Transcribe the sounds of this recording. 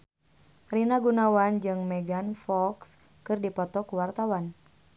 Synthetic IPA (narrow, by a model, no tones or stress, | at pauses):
rinaɡunawand͡ʒɨŋmɛɡanfɔks | kɨrdipɔt̪ɔkuwart̪awan